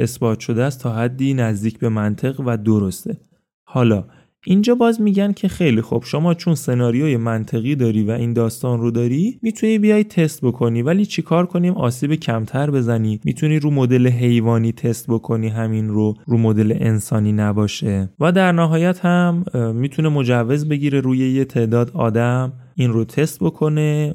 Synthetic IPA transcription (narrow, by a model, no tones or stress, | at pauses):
e̞sbɒːt̪ʰʃo̞d̪eæst̪ʰɒːhæd̪ːiːnæzd̪iːcʰbe̞mænt̪ʰe̞ɣvæd̪o̞ɾo̞st̪e̞ | hɒːlɒː | ʔind͡ʒɒːbɒːzmiːɟæncʰe̞xe̞jlixob̥ʃomɒːt͡ʃʰonse̞nɒːɾijojemænt̪ʰe̞ɣiːd̪ɒːɾiːvæʔiːnd̪ɒːst̪ɒːnrod̪ɒːɾimiːt̪ʰuniːbijɒj̚t̪ʰe̞st̪̚bo̞kʰo̞niːvæliːt͡ʃʰekʰɒːɾkʰo̞niːmɒ̰ːsiːbecʰæmt̪ʰæɾbe̞zæniːmḭt̪ʰuniːɾuːmo̞d̪e̞leɦe̞jvɒːniːt̪ʰe̞st̪̚bo̞kʰo̞niːɦæminroɾuːmod̪e̞lḛʔensɒːniːnæbɒːʃevæd̪æɾnæɦɒːjæt̪hæmːiːt̪ʰune̞mo̞d͡ʒævːe̞zbe̞ɟiːɾe̞ɾuːje̞jet̪ʰe̞ːd̪ɒːd̪ɒ̰ːd̪æm | inrot̪ʰe̞st̪̚bo̞kʰo̞ne̞